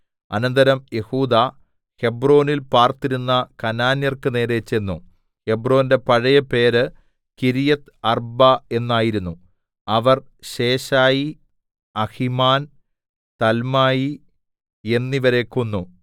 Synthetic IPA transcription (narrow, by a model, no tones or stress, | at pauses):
ɐ̰nɐnd̪ɐɾɐmje̞huːd̪a | he̞bro̞ːnilpaːrt̪ːiɾunːɐkɐnaːnjɐrkɨne̞ːɾe̞t͡ɕːenːṵ | he̞bro̞ːnde̞pɐɻɐjɐpe̞ːɾɨ | kiɾijɐt̪ɐrbɐe̞nːaːjiɾunːu | ɐʋɐr | ɕe̞ːɕaːji | ɐhimaːn | t̪ɐlmaːji | e̞nːiʋɐɾe̞kːonːu